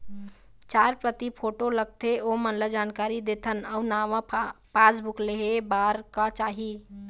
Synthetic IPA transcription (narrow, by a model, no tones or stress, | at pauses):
t͡ʃaɾpɾət̪ipʰoʈoləɡ̚t̪ʰeomənləd͡ʒankaɾid̪et̪ʰənəunaʋə̃pasbukleɦebaɾkət͡ʃaɦi